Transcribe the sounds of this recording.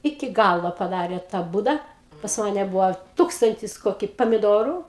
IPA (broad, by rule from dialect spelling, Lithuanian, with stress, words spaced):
ˈɪkʲɪ ˈɡɑːlˠoː pɐˈdɑːrʲeː tɐ ˈbuːdɐ pɐs ˈmɑːnʲɛ ˈbʊʋoː ˈtuːkstɐnʲtʲɪs ˈkoːkʲɪ pɐmʲɪˈdoːrʊ